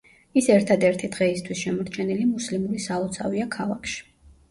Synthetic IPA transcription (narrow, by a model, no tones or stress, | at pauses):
isɛɾt̪ʰad̪ɛɾt̪ʰid̪̥ʁɛist̪ʰwisʃɛmɔɾt̪t͡ʃʰɛnilimuslimuɾisalˠɔt̪sʰaviakʰalˠakʰʃi̥